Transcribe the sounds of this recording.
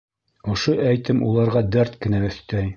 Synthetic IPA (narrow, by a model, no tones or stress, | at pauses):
ŏʃoʔæjt̪ɘmulˠɑɾʁɑd̪æɾt̪kɘ̆næɵ̆θt̪æj